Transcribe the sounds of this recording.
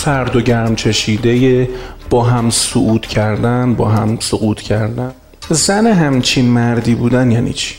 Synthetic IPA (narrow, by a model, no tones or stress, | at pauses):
fæɾd̪oɟæɾmt͡ʃʰeʃiːd̪eje | b̥ɒːɦæmsoʔuːt̪ʰcʰæɾd̪ænbɒ̰ːɦæmsoɣuːt̪ʰcʰæɾd̪æn | zæneɦæmt͡ʃʰinmæɾd̪iːbuːd̪ænjæːnḭːt͡ʃʰi̥